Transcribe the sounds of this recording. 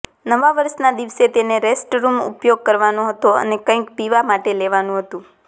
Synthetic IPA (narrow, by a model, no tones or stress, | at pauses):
nəʋaʋəɾʃnad̪iʋset̪eneɾesʈɾumṵpjoɡ̚kəɾʋanoɦət̪oə̰nekə̃ĩkpiʋamaʈeleʋanũɦət̪ũ